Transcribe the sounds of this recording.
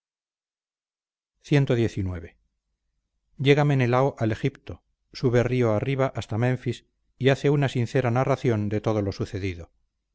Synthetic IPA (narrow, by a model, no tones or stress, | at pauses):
θje̞nt̪oðje̞θinweβe̞ | ɟ͡ʝe̞ɣame̞nelaoʔale̞xipt̪o | suβe̞rio̞ariβaʔast̪amẽ̞ɱfis | iaθe̞unasin̟θe̞ɾanaraθjo̞nd̪e̞t̪o̞ð̞o̞lo̞suθe̞ðiðo̞